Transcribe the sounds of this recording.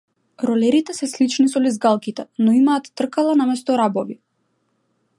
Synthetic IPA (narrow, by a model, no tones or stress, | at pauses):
ɾɔlɛɾit̪ɛsɛslit͡ʃnisɔlizɡalˠkit̪ɛnɔimaːt̪ːr̩kalˠanamɛst̪ɔɾabɔvi